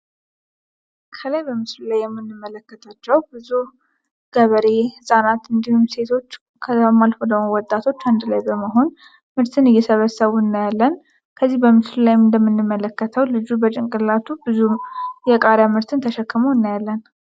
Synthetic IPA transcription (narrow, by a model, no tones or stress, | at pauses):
kʰəlajbəmɨslulajːɛmːɨnːɨmːələkːət̪ʰat͡ʃːɛwbɨzu | ɡ̥əβəɾe̞hɨsʼanat̪ɨnd̪ihumse̞t̪ʰo̞t͡ʃː | kʰəəmalfod̪əmowɔt̪ʼat̪ʰo̞t͡ʃːand̪lajbəməɦo̞n | mɨɾt̪ʰɨnɨjːɛsəβəsəβuɨnːajalːən | kʰəzːihbəmɨslulajɨnd̪əmːɨnːɨmːələkːət̪ʰəwlɨd͡ʒubət͡ʃʼɪŋkʼɨlːat̪ʰubɨzujɛkʼaɾjamɨɾt̪ʰɨnt̪ʰəʃɛkːɨməwɨnːajalːən